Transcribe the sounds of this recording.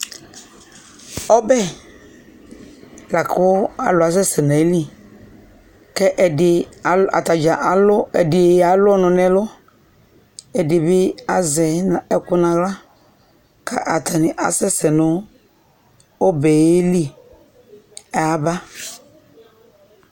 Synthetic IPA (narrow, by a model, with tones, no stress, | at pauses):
ɔ˦bɛ˦ | la˨kʊ˦a̰˨lʊ˨a˨sɛ˦sɛ˨nã˨e˦li˦ | kɛ˦ʔɛ˨dɪ˨a̰˨t̪a˨d͡ʒa˨ʔa˨lʊ˦ɛ˨dɪ˨a˨˦lʊ˦ɔ˦nʊ̃˨nɛ̃˦lʊ˦ | ɛ˨dɪ˨bɪ˦a˨zɛ˨ɛ˨kʊ˦nã˨ɣla˦ | kʰa̰˦ʔa˨tʰa˨nɪ˨ʔa̰˨sɛ˦sɛ˨nʊ˦ | o˦bɛ˨je˦li˦ | a˨a˨ba˦